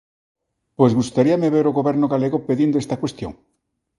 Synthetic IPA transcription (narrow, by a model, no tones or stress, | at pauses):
pojzɣust̪aɾiameβeɾoɣoβɛɾnoɣaleɣopeðind̪oest̪akwest̪jo̰ŋ